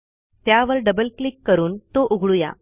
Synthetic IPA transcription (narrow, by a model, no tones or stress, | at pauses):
t̪jaʋəɾɖəbəlklikːəɾuːnt̪oʔuɡʱɭuja̰